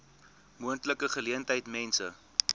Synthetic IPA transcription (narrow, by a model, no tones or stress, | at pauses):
muəntləkəχəliəntəjtmɛnsə